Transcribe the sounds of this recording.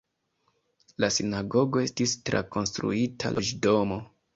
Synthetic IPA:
lasinaɡo̞ɡo̞e̞stistɾa̰ko̞nstɾṵitʰa̰lʔod͡ʒdo̞mo̞

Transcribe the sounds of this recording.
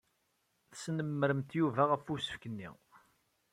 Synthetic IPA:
θsnəmːəɾəmt̪juvæʁəfusə̥fkənːḭ

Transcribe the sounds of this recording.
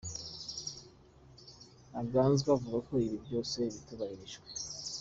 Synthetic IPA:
aɡaːnzɡavuɡako̞iβibɟo̞ːse̞βituβahiɾiʒɡwe

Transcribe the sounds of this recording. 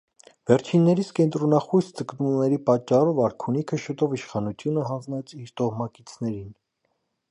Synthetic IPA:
vɛɾt͡ʃʰinːɛɾiskɛnt̪ɾɔnɑχujsd͡zəknumnɛɾipɑt͡ʃːɑrɔvɑɾkʰunikʰəʃət̪ɔviʃχɑnut͡s̪ʰjunəɦɑnd͡znɛt͡sʰiɾt̪ɔhmɑkit͡sʰnɛɾin

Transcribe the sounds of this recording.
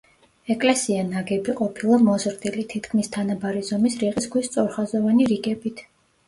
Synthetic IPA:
ɛkʼlɛsianaɡɛbiqʼɔpʰilˠamɔzɾd̪ilit̪ʰit̪kʰmist̪ʰanabaɾizɔmisɾiʁisɡwist̪sʼɔɾχazɔvaniɾiɡɛbit̪ʰ

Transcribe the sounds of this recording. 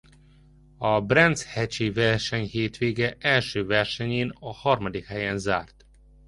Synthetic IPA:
ɒbrɛnt̪shɛt͡ʃivɛrʃɛɲheːt̪ʋeːɡɛʔɛlʃøːvɛrʃɛɲeːnɒhɒrmɒd̪ikhɛjɛnzaːrt̪

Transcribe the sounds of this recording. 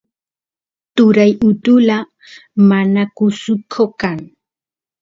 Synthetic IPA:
t̪ʊɾajʊt̪ʊla | manakʊsʊkʰokaŋ

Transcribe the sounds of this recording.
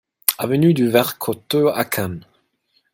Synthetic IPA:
avənyd̪yvɛʁkʰɔt̪øa̰kʰãn

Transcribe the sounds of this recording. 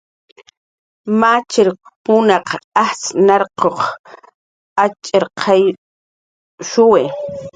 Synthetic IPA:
mat͡ʃɪɾpʊnɑqahsnɑɾqoχ | at͡ʃʼeɾqʰɑj | ʃʊwe

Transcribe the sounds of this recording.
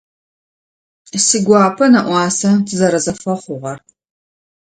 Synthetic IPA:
siɡʷɑːpʰɐnɐʔʷɑːsɐtʰɨzɐɾɐzɐfɐχʷʊʁɐr

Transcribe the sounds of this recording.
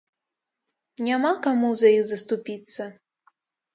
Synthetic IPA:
nʲamakamuzajiɣzɐst̪upʲit̪sːɐ

